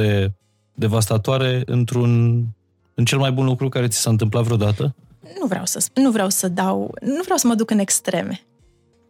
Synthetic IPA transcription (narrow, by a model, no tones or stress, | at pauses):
e̞ | d̪e̞vast̪at̪oaɾe̞ɨ̰nt̪ɾun | ɨnt͡ʃe̞lmajbunlukɾukaɾe̞t̪si̥saɨnt̪̬ɨmplat̪vɾeod̪at̪ə | nuvɾea̰wsəspunːuvɾeawsəd̪awnuvɾjawsəməd̪ukɨne̞kst̪ɾe̞̰me